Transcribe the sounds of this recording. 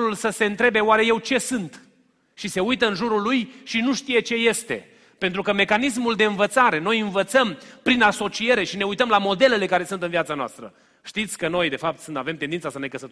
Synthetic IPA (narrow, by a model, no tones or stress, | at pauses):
ulsəse̞ɨnt̪ɾe̞be̞oaɾe̞jewt͡ʃe̞sɨnt̪ | ʃise̞ujt̪əɨnʒuɾulujʃinuʃt̪ije̞t͡ʃe̞je̞st̪e̞̰ | pent̪ɾukəme̞kanis̬muld̪e̞ɨnvət̪saɾe̞no̞jɨnvət̪səmpɾinaso̞t͡ʃie̞ɾe̞ʃine̞ujt̪əmlamo̞d̪e̞le̞le̞kaɾe̞sunt̪ɨnvjat̪sanoa̰st̪ɾə̰ | ʃt̪it̪sʲkəno̞jd̪e̞fap̚t̪sɨnt̪ave̞mt̪end̪int̪sasəne̞kəsət̪